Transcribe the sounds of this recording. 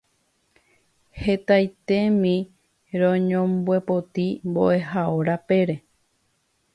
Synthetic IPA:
he̞t̪ajt̪e̞mĩ | ɾõɲõmbwe̞po̞t̪imbo̞̰ʔe̞ɦaoɾape̞ɾe̞

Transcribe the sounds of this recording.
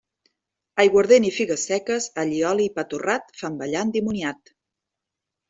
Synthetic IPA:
ajɣwəɾðenifiɣəsɛkəzəʎiɔliːpat̪urat̪̚fambəʎand̪imuniat̪

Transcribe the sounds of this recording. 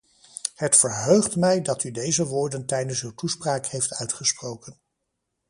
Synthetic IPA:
hətfəɹɦøɥχtmɛjdɑtydejzəʋʊːɹdəntɛjdənsywtuspraːkhejftœɥtχəsprowkən

